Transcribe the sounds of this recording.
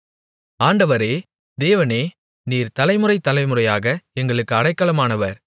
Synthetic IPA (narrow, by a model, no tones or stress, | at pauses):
aːɳɖɐʋɐɾeː | d̪eːʋɐneː | niːɾt̪ɐlɐɪmɯrɐɪt̪ːɐlɐɪmɯrɐjaːɣɐɛŋɡɐɭɯkːɯɐɽɐɪkːɐlɐmaːnɐʋɐɾ